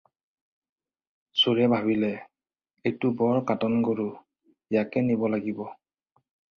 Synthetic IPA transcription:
suɹɛbʱaβilɛ | ejtʊbɔɹkatɔnɡoɹu | ijakɛnibɔlaɡibɔ

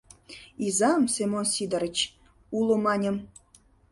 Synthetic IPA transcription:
izɑmsemonsid̪ə̆ɾə̆t͡ɕ | ulˠomɑnʲə̆m

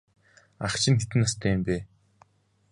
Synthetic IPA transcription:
aχt͡ɕʰɪ̆ŋxet̪ɘ̆nast̪ʰæːmpeː

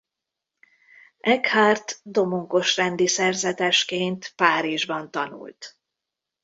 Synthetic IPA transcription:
ɛkhaːrt̪d̪o̞muŋko̞ʃrɛnd̪isɛrzɛt̪ɛʃkeːnt̪paːɾiʒbɒnt̪ɒnṵlt̪

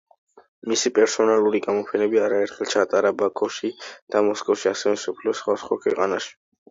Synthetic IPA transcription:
misipʼɛɾsɔnalˠuɾiɡamɔpʰɛnɛbiaɾaɛɾt̪ʰχɛlt͡ʃʰat̪ʼaɾabakʰɔʃid̪̥amɔskʼɔfʃiasɛvɛmsɔpʰliɔsχwasχwakʰwɛqʼanaʃi̥

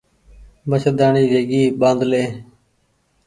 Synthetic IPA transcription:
məʃəd̪aːɳiːɾeːɡiːɓãːnd̪leː

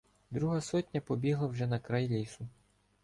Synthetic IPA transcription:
d̪ɾuɦɐsɔtʲnʲɐpɔbʲiɦlˠɐwʒɛnɐkɾajlʲisʊ

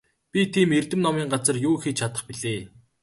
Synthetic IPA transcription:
pʲit̪ʰiːmert̪ɘ̆mnɔmiːŋɢat͡sə̆rjuːxit͡ɕt͡ɕʰat̪ə̆χpiɮeː

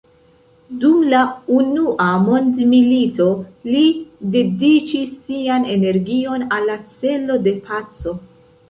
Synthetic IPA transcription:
dumlaunuʔamo̞ndmilito̞lide̞dit͡ʃisːiane̞ne̞ɾɡio̞nalːat͡se̞lo̞de̞pʰat͡so̞

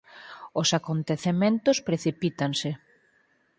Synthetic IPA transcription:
osakont̪eθemẽnt̪ʊspɾeθipit̪aŋsɪ

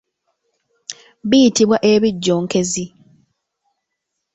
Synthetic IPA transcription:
βijitiβwaʔeβiɟːoːŋke̞zi

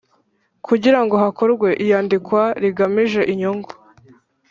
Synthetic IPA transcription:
kʰuɟiɾaŋɡo̞ɦako̞ɾɡwe̞ʔijaːndikwaɾiɡamiʒe̞ʔiɲoŋɡo

